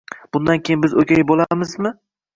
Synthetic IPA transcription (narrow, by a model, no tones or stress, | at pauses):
b̥ʊnd̪ankʲʰejɪnbɪzokʲʰajɪbolˠamɪzmɪ